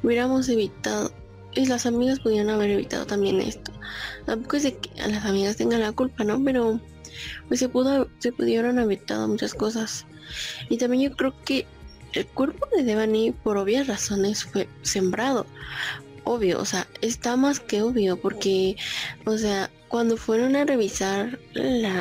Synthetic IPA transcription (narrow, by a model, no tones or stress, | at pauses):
uβje̞ɾamo̞s̬e̞βit̪aðo̞̰ | eslasamiɣaspuðje̞ɾanaβe̞ɾe̞βḭt̪a̰ð̞o̞̰t̪ambje̞̰nḛst̪o̥t̪amp̬okoezðeke̥a̰lasamiɣast̪e̞ŋɡanlakulpano̞pe̞ɾo̞ | pwe̞sːe̞puðose̞puðjeβɾanaβit̪a̰ð̞o̞̰mut͡ʃasko̞s̬as | it̪ambje̞nd͡ʒo̞kɾeoke̞ | elkwe̞ɾpo̞ðeðeβanipo̞ɾo̞βjasraso̞ne̞sfwe̞se̞mbɾaðo̞̰ | o̞βjo̞̰o̰se̞aest̪amaske̞oβjo̞po̞ɾke̞os̬e̞a | kwand̪o̞fwe̞ɾo̞nare̞βisaɾla